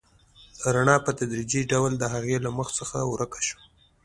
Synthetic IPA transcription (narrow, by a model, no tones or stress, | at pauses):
ɾaɳɑpət̪ad̪ɾid͡ʒiɖawld̪əɦaɣelaməxt͡səxawɾəkḁʃo̥